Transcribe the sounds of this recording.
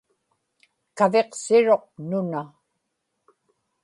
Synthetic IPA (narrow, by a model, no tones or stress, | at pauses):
kave̞qsɪɻo̞q̚nʊna